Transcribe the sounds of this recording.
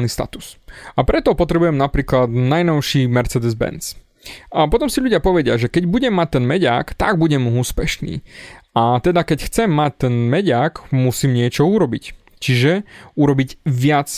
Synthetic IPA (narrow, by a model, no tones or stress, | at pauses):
niːst̪a̰t̪u̥sapɾɛt̪ɔpɔt̪ɾɛbujɛmnapɾiːklad̪najnɔʊʃiːmɛɾt͡sɛd̪ɛzbɛ̰nt͡s | apɔt̪ɔmsiʎuɟɪapɔʋɛɟɪaʒɛkɛɟbuɟɛmːac̚t̪ɛnmɛɟa̰ːkt̪aɡ̚buɟɛmuːspɛʃnḭːat̪ɛd̪akɛcxt͡sɛmːac̚t̪ɛnmɛɟaːkmusiːmɲɪɛt͡ʃɔuɾɔbic | t͡ʃiʒɛuɾɔbiɟʋɪat͡s